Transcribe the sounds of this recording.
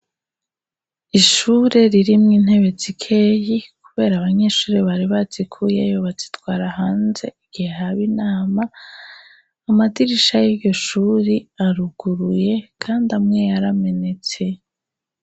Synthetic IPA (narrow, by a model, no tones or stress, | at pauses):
iʃuːɾe̞ɾiɾimŋiːn̥he̞βe̞t͡sikʰe̞ːjikuβe̞ːɾaβaɲe̞ːʃuːɾeβaɾiβat͡sikʰujejoβat͡si̥twaːɾahaːnze̞iɡ̥ihehaβinaːma | madiɾiʃajiɟo̞ʃuːɾiaɾuɡ̥uɾuje̞kʰaːndamŋe̞jaɾame̞ne̞t͡se̞